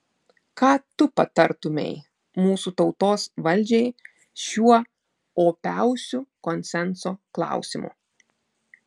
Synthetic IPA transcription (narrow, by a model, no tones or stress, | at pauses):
kɑːt̪ʊpɐt̪ɐɾt̪ʊmʲɛ̰ɪ | muːsut̪ɒʊt̪oːsʋɐlʲˑd͡ʒʲɛɪ | ʃʲuɔ | oːpʲæˑʊsʲʊkɔnʲsʲɛnsoːklˠɑ̰ˑʊsʲɪmṵ